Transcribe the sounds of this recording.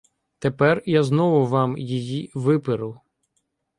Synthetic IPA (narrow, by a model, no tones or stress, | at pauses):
t̪epɛrjaznɔʋʊʋɑmjijiʋɪpɪɾʊ